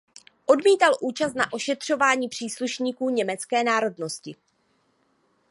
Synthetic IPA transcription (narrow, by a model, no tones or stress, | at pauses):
ʔo̞dmiːt̪alʔuːt͡ʃast̪na̰ʔo̞ʃɛt̪r̝̥o̞vaːɲiːpr̝̥iːsluʃɲiːkuːɲɛmɛt͡skɛːnaːɾo̞dno̞scɪ